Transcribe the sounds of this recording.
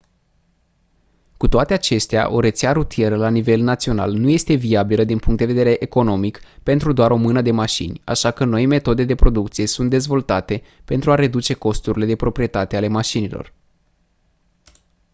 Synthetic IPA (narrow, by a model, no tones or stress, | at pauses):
kut̪oat̪e̞at͡ʃe̞st̪ea̰ʔo̞ɾe̞t̪seaɾut̪ije̞ɾəlanive̞lnat̪sio̞na̰lnuje̞st̪e̞viabiləd̪inpuŋkt̪̚d̪eve̞d̪eɾe̞ʔeko̞no̞mikpe̞nt̪ɾud̪oaɾo̞mɨnəd̪e̞maʃḭnʲa̰ʃakəno̞jme̞t̪o̞d̪e̞d̪e̞pɾo̞d̪uk̚t̪sije̞sunt̪̚d̪e̞zvo̞lt̪at̪e̞pe̞nt̪ɾuaɾe̞d̪ut͡ʃe̞ko̞st̪uɾile̞d̪e̞pɾo̞pɾije̞t̪at̪e̞ale̞maʃinilo̞̰r